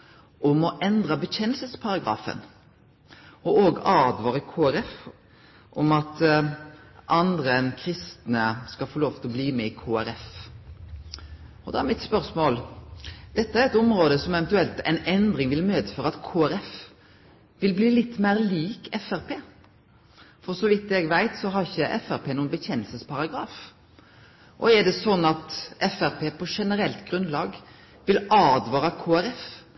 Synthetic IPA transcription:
ɔmɔʔɛnd̪ʁɑbəçɛnːəlsəspʰɑʁɑɡʁɑ̰ːfə̰n | ɔʔoːɡʔɑːd̪ʋɑːɾəkʰoːæɾɛf | ʔɔmɑt̪ | ʔɑnd̪ʁəɛnkʰɾɪst̪nəskɑfoːloːʋt̪ʰɪlɔbliːmɛɪkʰoːæɾɛf | ɔd̪ɑːæɾmɪt̪spœʁsmoːld̪̥ɛt̪ːəæɾɛt̪ʊmɾoːd̪əsɔmɛʋɛnt̪ʉɛlt̪ɛ̰ɪnɛnd̪ɾɪŋʋɪlmøːd̪əføːʁɑt̪kʰoːæɾɛf | ʋɪlbliːlɪt̪ːmæɪɾliːkɛfæʁpʰeː | fɔʁsɔʋɪt̪ːɛɡʋæɪt̪sɔɦɑɾɪçːəʔɛfæɾpʰeːnuːənbəçɛnːəlsəspʰɑɾɑɡɾɑːf | ʔɔ̰ɛd̪ɛsɔnːɑt̪ɛfæʁpʰeːpʰɔʂɛnəɾɛlt̪ɡɾʉnlɑːɡ | ʋɪlɑːd̪ʋɑːɾɑkʰoːæɾɛf

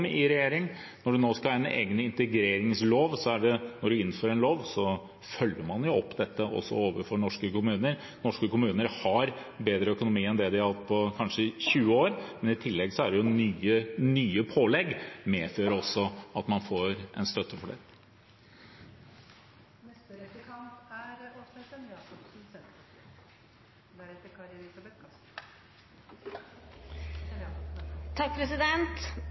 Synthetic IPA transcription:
mɪɾɛjeːɾɪŋ | nɔɖʉnoːskɑɛnʔḛːɡnəɪnt̪əɡɾeːɾɪŋsloːʋsɔæɖɛnɔɖʉɪn̩ːføːɾɛnloːʋsɔ | fœlːəɾmɑnjʊɔpːd̪ɛt̪ʰːəʔɔ̰sːɔ̰oːʋəɾfɔɳɔʂkəkʊmʉːnəɾ | nɔʂkəkʊmʉːnəɾhɑɾ | beːd̪ɾəœkʊnʊmiːɛnd̪ɛd̪ɪɑhɑt̪ːpʰɔkʰɑnʂəɪçʉːəoːɾmɛnɪt̪ʰɪlːɛɡsɔæɖɛjʊnyːənyːəpʰoːlɛɡːmeːføːɾɔsːɔɑt̪mɑnfoːɾʔɛ̰nst̪œt̪ːəfɔɖɛ̰ | mɛst̪əɾəkʰɑmpæɾɔsɛt̪ənɑsɔpsn̩sɛt̪ | d̪æɾɛt̪ːəɾkʰɑɾɛɾɪsɑbɛt̪kʰɑ | t̪ʰɑk̚pʰɾɛsɪd̪ɛnt̪

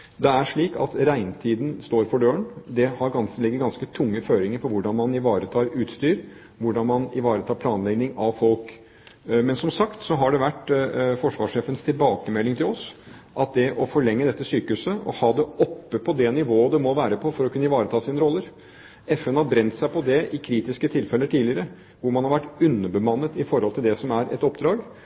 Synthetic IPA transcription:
d̪ɛæʂɭiːkɑ̰t̪ɾæɪnt̪ʰiːd̪n̩st̪oːɾfɔɖøːəɳd̪ɛhɑɾɡɑnlɛɡːəɾɡɑnskət̪ʰʊŋːəføːɾɪŋəɾfɔɾʋʊɖɑnmɑnɪʋɑːɾət̪ʰɑːɾʉːt̪st̪yːɾ | ʋʊɖɑnmɑnɪʋɑːɾət̪ʰɑːɾpʰlɑːnlɛɡnɪŋɑʋfɔlk | mɛnsɔmsɑkt̪sɔɦɑɖɛʋæʈːfɔʂʋɑːʂeːfənst̪ʰɪlbɑːkəmɛlːɪŋt̪ʰɪlɔs | ʔɑt̪̚d̪ɛʔɔfɔɭɛŋːəd̪ɛt̪ːəsyːkʉsəʔɔ̰hɑːd̪ɛʔɔpːəpʰɔd̪ɛnɪʋoːəd̪ɛmɔʋæːɾəpʰɔfɔɾɔkʰʉnːəɪʋɑːɾət̪ʰɑːsiːnəɾɔlːəɾ | ɛfɛnhɑɾbɾɛnt̪sæɪpʰɔd̪ɛɪkʰɾiːt̪ɪskət̪ʰɪlfɛlːəʈʰiːlɪəɾə | ʋʊɾmɑnhɑɾʋæʈːʉnːəbəmɑnːət̪ɪfɔɾhɔlt̪ʰɪld̪ɛsɔmæɾʔɛ̰t̪ɔpːd̪ɾɑːɡ

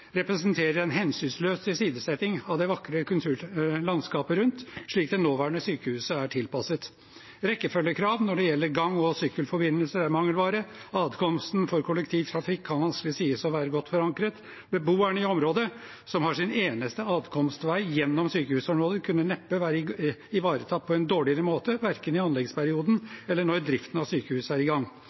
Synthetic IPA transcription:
ɾɛpɾəsənt̪ʰeːɾəɾɛnɦɛnsynsløːsəsiːd̪əsɛt̪ɪŋɑʋd̪ɛʋɑkɾəkʉlt̪ʰʉːɾlɑnskɑːpəɾʉnt̪ʂɭiːk̚d̪ɛnoːʋæːɾəɳəsyːkəhʉːsəæʈʰɪlpɑsət̪ | ɾɛkːəfœlːəkʰɾɑːʋnɔɖɛjɛlːəɾɡɑŋːɔsʏkəlfɔɾbɪnːəlsəɾæɾmɑŋːəlʋɑːɾəɑːd̪kʰɔmst̪nfɔɾkʰɔlɛkt̪ʰiːʋt̪ʰɾɑfɪkʰːɑnʋɑnsklɪsiːəsɔʋæːɾəɡɔt̪ːfɔɾɑŋkɾət̪ | bəbuːæɳəɪɔmɾoːd̪ə | sɔmhɑʂɪneːnəst̪əɑːd̪kʰɔmst̪ʋæɪjɛnːɔmsyːkəhʉːsɔmɾoːd̪əkʰʉnːənɛpːəʋæːɾəɪʋɑːɾət̪ʰɑt̪̚ːpʰɔɛnd̪oːɭɪəɾəmoːt̪əʋæɾkənɪɑnlɛɡspʰæɾɪuːd̪nɛlːəɳɔɾd̪ɾɪft̪ən̩ɑʋsyːkəhʉːsəæɾɪɡɑŋː

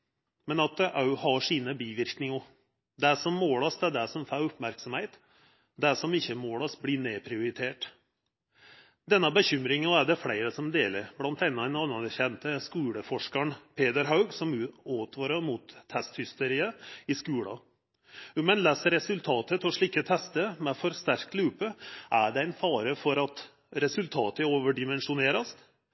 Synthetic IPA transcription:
mɛnɑt̪̚d̪ɛʔɑʉhɑʂiːnəbiːʋɪɾknɪŋə | d̪æʂɔmːoːlɑsd̪ɛɖæsɔmfæɾʊpmæɾksɔmheɪt̪ | d̪æʂɔmɪçːəmoːɽɑsblɪɳeːpʰɾɪʊɾɪt̪ʰeːʈ | d̪ɛnːəbəçʏmɾɪŋɑæɖɛflæɪɾəsɔmd̪eːləɾblɑnt̪ɛnːɑɛnɑnəçɛnt̪əskʉːɽəfɔʂkəɳpʰeːd̪əɾɦɑʉɡsɔmʉoːt̪ʰʋɑːɾəmut̪ʰːɛst̪hʏst̪əɾiːəɪskʉːɽɑ̰ | mɛnlɛːsəɾɛsʉlt̪ʰɑːt̪ət̪ɔʂɭiːkːət̪ʰɛst̪əmɛfɔɾst̪æɾk̪̚lʉːpəʔæɖɛæɪnfɑːɾəfɔɾɑt̪ | ɾɛsʉlt̪ʰɑːt̪əoːʋəɖɪmɛnʂʊneːɾɑst̪

